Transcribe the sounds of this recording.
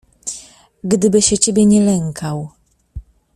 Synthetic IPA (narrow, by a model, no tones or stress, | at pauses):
ɡd̪ɘbɘɕɛt͡ɕebʲjɛɲɛlɛŋkʰaw